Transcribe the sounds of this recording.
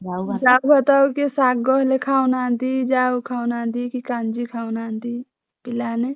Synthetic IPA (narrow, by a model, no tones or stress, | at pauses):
sabət̪aːokisaːk̚ɡoːɦlekʰaːunãːnd̪id͡ʒaːukʰaːunãːnd̪ikikãːnd͡ʒikʰaːunaːnd̪i | pɪlaːne